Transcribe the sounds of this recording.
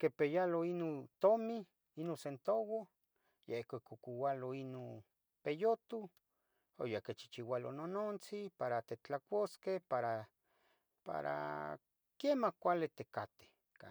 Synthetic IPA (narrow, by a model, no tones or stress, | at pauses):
kepejaloinont̪omi | inonsent̪owo | jehkekokuwaloinon | pejot̪u | o̰jaket͡ʃi̥t͡ʃiwalo̰nonont͡sipaɾat̪et͡ɬakʷoskehpaɾa | pa̰ɾa̰ | kemahkʷalet̪ekat̪e̥ | ka